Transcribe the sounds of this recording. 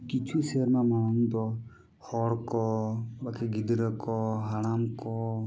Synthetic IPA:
kit͡ʃʰuseɾmãmanũd̪ɔ | hɔɽkɔbakeɡid̪ɾəkɔɦaɽamkɔ

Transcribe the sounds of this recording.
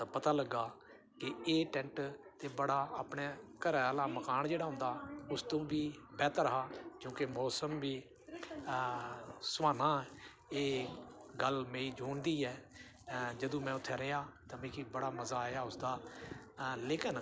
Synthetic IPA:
t̪apət̪aːləɡːaː | kɪeːʈɛ̃ːɳʈt̪eːbəɽaːaːpɳeːkəɾɛːlaːməkaːɳd͡ʒeːɽaːɦʊ̃ːnd̪aːʊst̪õːbiːbɛːt̪ɾəɦaːt͡ʃõːkemɔːsəmbiː | sʊʋaːnãːɛ | eːɡəlmẽːiːd͡ʒuːɳd̪iːɛː | d͡ʒəd̪õːmɛ̃ːʊt̪ʰːeːɾəjaːt̪aːmẽːkibəɽaːməzaːaːʊsd̪aː | leːkən

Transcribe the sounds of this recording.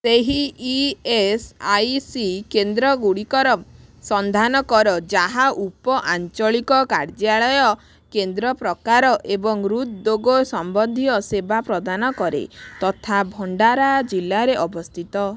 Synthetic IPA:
seɦiː | esajsikend̪ɾɔɡuɽikɔɾɔsɔnd̪ʱanɔkɔɾɔd͡ʒaɦaʔupɔʔant͡ʃɔɭikɔkaɾd͡ʒaɭɔjɔ | kend̪ɾɔpɾɔkaɾɔʔebɔŋɾut̪̚d̪oɡɔsɔmbɔnd̪ʱijɔsebapɾɔd̪anɔkɔɾḛt̪ɔt̪ʰabʱɔɳɖaɾad͡ʒilːaɾeʔɔbɔst̪ʰit̪ɔ

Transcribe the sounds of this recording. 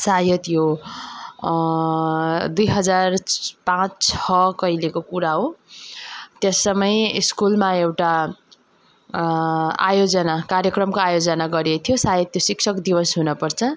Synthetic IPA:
sajʌt̪jo | d̪ujɦʌd͡zarpãt͡st͡sʰʌkʌjlekokuɾaɦo | t̪jʌsʌmʌjiskulmaewʈa | a̰jod͡zʌnakarjʌkrʌmkoajod͡zʌnaɡʌɾiet̪ʰijosajʌt̪josiksʰʌkd̪ibʌsɦunʌpʌrt͡sʰʌ

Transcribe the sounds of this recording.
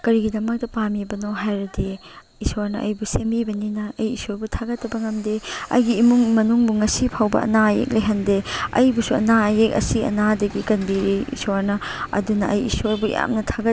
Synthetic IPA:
kɐɾiɡidɐmɐk̚tɐpamibɐnoɦajɾɐde | isoɾnɐʔɐjbusembibɐninɐɐjisoɾbutʰaɡɐtːɐbɐŋɐmdeɐ̰jɡiːmuŋmɐnuŋbuŋɐsipʰawbɐ̰ɐ̰naɐjḛk̚leɦɐndeɐ̰jbusuɐ̰naɐjek̚ɐ̰siɐ̰nadɐɡikɐnbiɾiḭsoɾnɐɐ̰dunɐʔɐjḭsoɾbuja̰mnɐtʰaɡɐ

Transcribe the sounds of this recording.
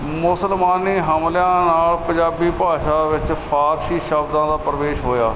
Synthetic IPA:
mʊsəlmaːniːɦəmljãːnaːlpəd͡ʒaːbiːpaːʃaːʋɪt͡ʃpʰaːɾsiːʃəbd̪ãːd̪aːpɾəʋeːʃɦoːjaː

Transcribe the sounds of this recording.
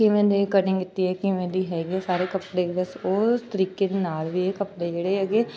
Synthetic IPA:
kimẽːd̪ekəɖɪ̃ŋɡɪt̪ːiɦɛːkimẽd̪iːɦɛːɡiɛsaːɾeːkəpɽebəsost̪əɾiːked̪enaːlʋiekəpɽed͡ʒeːɽeɦɛːɡeː

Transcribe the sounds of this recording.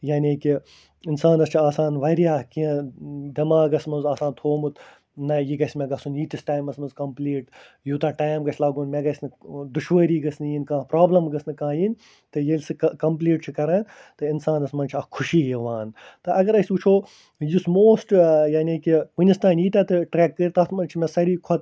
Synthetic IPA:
jaːnʲeːki | ɪnsaːnɐst͡ʃʰiaːsaːnʋɐɾijaːkiɐ̃d̪ɐmãːɡɐsmɐnzaːsãːnt̪ʰoːmut̪ | nɐjiɡɐsʲmẽɡɐsunjiːt̪isʈaːjmɐsmɐnzkɐmpliːʈ | juːt̪aʈaːjmɡɐt͡ʃʰlaːɡunmeɡɐsʲnɨd̪uʃʋəːɾiːɡɐsnɨjinkãːpɾaːblɐmɡɐsnɨkãːjin | t̪ɨjelʲsɨkɐmpliːʈ̚t͡ʃʰikɐɾɐ̃nt̪ɨɪnsaːnɐsmɐnʲt͡ʃʰɐkʰuʃiːɦeʋaːnt̪ɨʔɐɡɐɾɐsʲut͡ʃʰoː | jusmoːsʈjaːnʲiːkikunʲist̪ãːniːt̪ʲɐt̪ɨʈɾɛːkːəɾt̪ɐt̪ʰmɐnt͡ʃʰimʲɛsɐɾiːkʰɐt̪

